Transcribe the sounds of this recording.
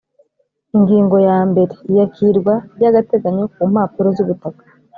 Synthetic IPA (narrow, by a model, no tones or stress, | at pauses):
iŋɡiːŋɡo̞jaːmbe̞ɾe̞ijakʰiɾɡwajaɡate̞ɡaɲek̚uːm̥haːpuɾozuβutakḁ